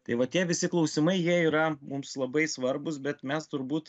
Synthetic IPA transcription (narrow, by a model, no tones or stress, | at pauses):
t̪ɐɪʋɐt̪ʲiɛʋʲɪsʲɪklˠɒʊsʲɪmɐɪjiɛiːɾɐmʊmslˠɐbɐɪsʋɐɾbʊs̬bʲɛt̪mʲɛst̪ʊɾbuːt̪